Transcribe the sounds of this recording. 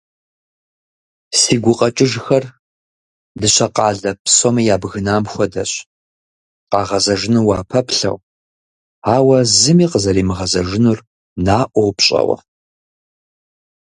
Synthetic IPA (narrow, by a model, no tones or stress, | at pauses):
siːɡʷʊqʼɐt͡ʃʼɪʒxɐr | dɨɕɐqɑːɮɐpʰsomɐjaːbɣɨnaːmxʷɔdɐɕ | qɑːʁɐzɐʒɪnuwɑːpʰɐpɬɐ̰w | aːwɐzɨmiːqəzɐriːmɨʁɐzɐʒɪnur | naːʔʷɔwpɕʼɐ̰wɐ̰